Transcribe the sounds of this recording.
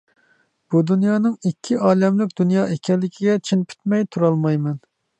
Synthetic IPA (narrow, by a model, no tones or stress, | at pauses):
b̥ud̪unjɑːnɨŋikʲʰːiɑːlɛmlɪk̚ʲd̪unjɑːʔekʲɛlːɪkʲʰiɡʲɛt͡ʃʰinpʰy̥t̪mɛjt̪ʰuɾɑlˠmɑjmɛn